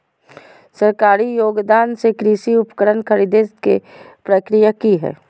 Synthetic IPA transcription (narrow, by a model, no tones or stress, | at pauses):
səɾkaːɾijoːɡd̪aːnsekɾiːʃiʊpkəɾənkʰəɾiːd̪ekepɾəkɾijakiɦɛ̰ː